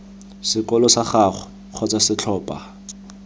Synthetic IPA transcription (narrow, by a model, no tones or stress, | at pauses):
sɪkɔlɔsaχaχɔ | q͡χʰɔt͡sasɪt͡ɬʰɔːpʼa